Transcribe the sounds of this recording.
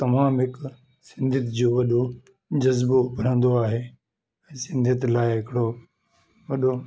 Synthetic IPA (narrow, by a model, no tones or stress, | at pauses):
t̪ɐmaːmɦɪk | sɪ̃nd̪ʱɪt̪ɪd͡ʑoːʋɐɗo | d͡ʑɐzbobʱɐɾ̤ə̃nd̪oaːɦeː | ɛ̃ːsɪ̃nd̪ʱət̪ɪlaːɪɦɪkɪɽo | ʋɐɗo